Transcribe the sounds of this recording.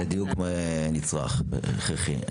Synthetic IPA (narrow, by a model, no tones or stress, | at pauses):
ad̪ijukmanit͡sʁa̰χχeχi